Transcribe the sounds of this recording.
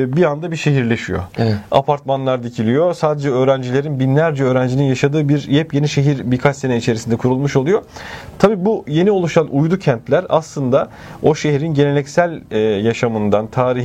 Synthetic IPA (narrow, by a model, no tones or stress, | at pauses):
biand̪abiʃe̞ɦiɾlʲe̞ʃijo̰a̰pʰaɾt̪manlˠaɾd̪icʰilʲijo̞saːd̪e̞d͡ʒɛø̞ːɾænd͡ʒilʲe̞ɾinbinlʲæɾd͡ʒɛø̞ːɾænd͡ʒininjaʃad̪ɯːbiɾjɛpje̞niʃe̞ɦiɾbikʰat͡ʃse̞neit͡ʃʰe̞ɾisind̪ɛkʰuɾulˠmuʃo̞lˠujo̞t̪ʰabiːbuje̞nio̞lˠuʃanʔujd̪ucʰænt̪lʲæɾa̰slˠɯnd̪a | o̞ʃe̞ɦiɾinɟe̞ne̞lɛcsælʲːjaʃamɯnd̪ant̪ʰaːɾi